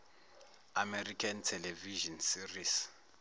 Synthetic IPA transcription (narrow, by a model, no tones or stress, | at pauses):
amɛrikʰantʰɛlɛviʒɔnsiris